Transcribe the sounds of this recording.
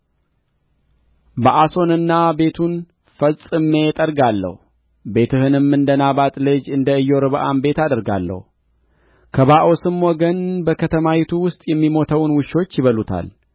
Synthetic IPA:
bəʔaso̞nɨnːabe̞t̪ʰun | fəsʼɨme̞t̪ʼəɾɡalːə̰h | be̞t̪ʰɨhɨnɨmːɨnd̪ənaβat̪ʼlɨd͡ʒɨnd̪əɨjːo̞ɾɨβʔambe̞t̪ad̪əɾɡa̰lːə̰h | kʰəβaʔo̞sɨmːɔɡənbəkʰət̪ʰəmawit̪ʰuwʊst̪ʼjɛmːimo̞t̪ʰəwnwʊʃo̞t͡ʃːjɪβəlut̪ʰa̰l

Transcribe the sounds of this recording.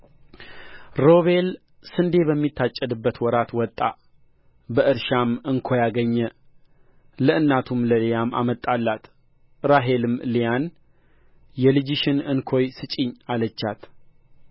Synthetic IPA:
ɾo̞βe̞l | sɨnd̪e̞bəmːit̪ʰːat͡ʃʼːəd̪ɨbːət̪wɔɾat̪wɔt̪ʼːa | bəɨɾʃamɨŋkʰo̞jaɡəɲːə | ləʔɨnːat̪ʰumləlejama̰mət̪ʼːalːat̪ | ɾaɦe̞lɨmlijan | jɛlɨd͡ʒɪʃɪnɨnkʰo̞jsɨt͡ʃʼɪɲːalət͡ʃːat̪

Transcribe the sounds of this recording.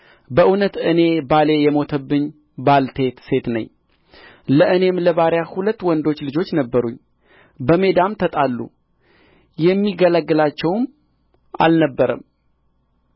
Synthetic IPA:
bəʔɨnət̪ɨne̞bale̞jɛmo̞t̪ʰəbːɨɲ | balt̪ʰe̞t̪se̞t̪nə̰ɲː | ləʔɨne̞mləβaɾjahulət̪ːwɔnd̪o̞t͡ʃːlɨd͡ʒo̞t͡ʃːnəbːəɾṵɲ | bəme̞d̪amt̪ʰət̪ʼalːṵ | jɛmːiɡələɡːɨlat͡ʃːɛwm | ʔa̰lnəbːəɾə̰m

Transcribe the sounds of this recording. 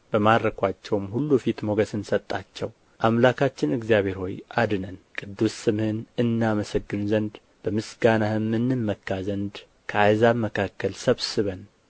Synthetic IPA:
b̥əmadɾəkʰʷat͡ʃːɛwmhulːufit̪moɡəsɨnsət̪ʼːat͡ʃːɛw | ʔamlakʰat͡ʃːɪnɨɡzijaβe̞ɾho̞jʔad̪ɨnənkʼɨd̪ːusːɨmhɨnɨnːaməsəɡːɨnzənd̪ | b̥əmɨsɡanaɨmːɨnːɨmːəkːazənd̪ | kʰəajzaməkʰakʰːəlsəβsɨβən

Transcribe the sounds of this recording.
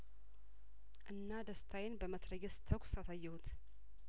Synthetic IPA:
ʔɨnːad̪əst̪ʰajɪnbəmət̪ɾəɡəst̪ʰəkʷsasajːɛhut̪

